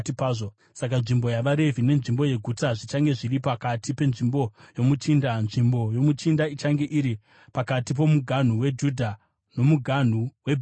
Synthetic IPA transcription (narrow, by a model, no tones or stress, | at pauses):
tipaːo | sak̬anʐimbo̞jaʋaɾe̞vʱine̞nʐimbo̞je̞ɡʱutaʐit͡ʃaŋɡe̞ʐiripakatʰipe̞nʐimbo̞jo̞mut͡ʃiːndanʐimbo̞jo̞mut͡ʃindait͡ʃaŋɡe̞ʔiɾi | pakatip̬o̞muɡʱan̤uwe̞d͡ʒudʱa | no̞muɡʱan̤uweb